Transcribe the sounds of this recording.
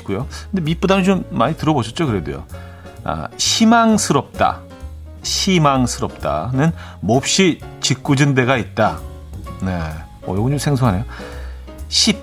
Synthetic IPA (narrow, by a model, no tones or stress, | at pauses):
k͈ujokɯndemip͈udanɯt͡ɕomːaɲitɯɾʌboɕʰʌt̚t͡ɕ͈okɯɾe̞dujo̰ | a̰ɕʰimaŋsʰɯɾʌp̚t͈a̰ | ɕʰimaŋsʰɯɾʌp̚t͈a̰nɯnmop̚ɕ͈it͡ɕik͈ud͡ʑɯnde̞ɡait̚t͈a | ne̞ | ʌjoɡɯɲd͡ʑosʰe̞ŋsʰoɦane̞jo | ɕʰip̚